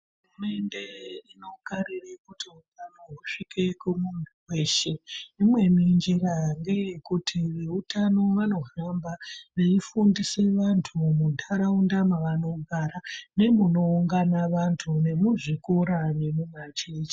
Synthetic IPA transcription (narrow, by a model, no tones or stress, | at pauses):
ɦurume̞nde̞ino̞kaɾirekutiutanoɦuʂikekumunuwe̞ʃe̞imwe̞miɲd͡ʒeɾaŋɡejekutʰiʋe̞utano̞ʋano̞ɦambaʋeifundise̞ʋantʰumuntʰaɾaundamaʋano̞ɡʱaɾane̞muno̞uŋɡanaʋantʰune̞muʐikoɾaʋemumat͡ʃet͡ʃi̥